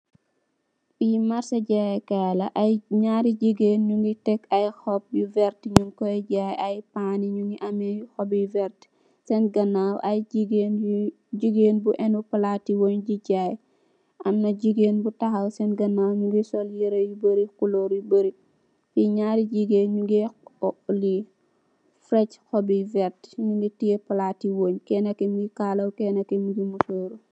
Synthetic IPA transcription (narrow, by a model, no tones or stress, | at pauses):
bimaɾsɐɟajkalɐʔɐjɲaːɾiɟiɡeːnɲuŋɡitɛkɐjxɔp̚juvɛɾtɲuŋkɔjɟajɐjpaniɲuŋɡiʔɐmɛxɔbjuvɛɾt | sɛnɡɐnawʔɐjiɡen | ɟiɡeːnbuʔɛnupɐlaːtiwɔɲɟiɟaːj | ʔɐmnɐɟiɡeːnbutɐxɐwsɛnɡɐnːaːwɲuɡisɔljiɾɐjubəɾikuloɾjubəɾi | fiɲaɾid͡ʒiɡeɲuɡi | li | fɾɛcxɔbivɛɾtɲuɡitiɡepɐlatiwoːɲkɛːnɐkemɡikaːlɐwkɛːnɐkɛmiɡimusoːɾu